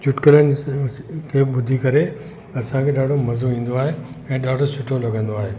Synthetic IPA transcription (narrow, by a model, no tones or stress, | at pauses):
t͡ɕʊʈkələnɪ | kʰeːɓʊd̪ʱikɐɾe | ɐsãkʰeːɗaːɖʱomɐzoĩːn̆d̪oaːɦeɛ̃ːɗaːɖʱosʰʊʈʰolɐɡə̃nd̪oaːɦeː